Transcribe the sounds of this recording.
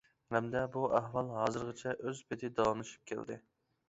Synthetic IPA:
hɛmd̪ɛbuæɦwɑlˠɦɑːzɨɾʁɨt͡ʃʰɛʔøzbɪt̪ʰɪd̪ɑlˠɨnɨʃy̥p̚kʲʰḛld̪ɪ̰

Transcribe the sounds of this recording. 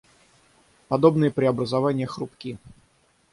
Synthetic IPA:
pɐd̪o̞bnɨjəpɾʲɪɐbɾəzɐvanʲɪjəxɾʊpkʲi

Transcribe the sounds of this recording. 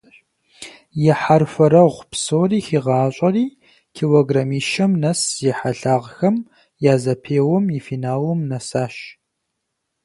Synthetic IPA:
jɛħarfɐɾɐʁʷpsoːriːxiːʁɑːɕʼɐriː | kʰiwoɡrɐmiːʃɐmnɐsjɛħaɬaːʁxɐm | jaːzɐpʰeːwɔmifiːnaːwɔmnɐsaːʃ

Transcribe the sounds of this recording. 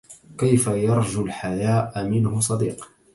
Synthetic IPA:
kajfajɑɾˤd͡ʒʊlħajaːʔamɪnhʊsˤɑd̪iːq

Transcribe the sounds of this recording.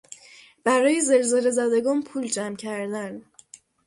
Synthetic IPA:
b̥æɾɒːjezelzelezæd̪eɡɒːnpʰuːld͡ʒæmcʰæɾd̪æn

